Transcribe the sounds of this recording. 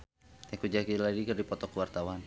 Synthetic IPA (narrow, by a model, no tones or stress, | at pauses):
akud͡ʒakiladikɨrdipɔt̪ɔkəwart̪awan